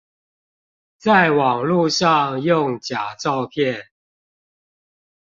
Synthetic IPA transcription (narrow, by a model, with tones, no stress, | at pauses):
t͡sa˥˨ɪwɑ˨˩ŋlu˥˧ʂɑ˥˨ŋjʊ˥˨ŋt͡ɕja˨˩ʈ͡ʂɑ˥˨˧ʊpʰjɛ˥˨n